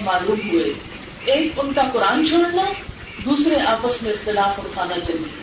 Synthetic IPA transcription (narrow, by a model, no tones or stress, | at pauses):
maːluːmɦʊeː | eːkʊnkakʊɾaːnt͡ʃʰoːɽna | d̪uːsɾeʔaːpəsmẽɪxt̪ɪlaːfʊɽkʰãːnd̪at͡ʃɐɾi